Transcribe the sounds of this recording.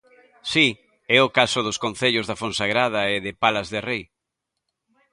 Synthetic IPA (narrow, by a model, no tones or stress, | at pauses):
si | ɛʊkasʊðʊskonθeʎʊzðafonsaɣɾað̞aeðɪpalazðɪrej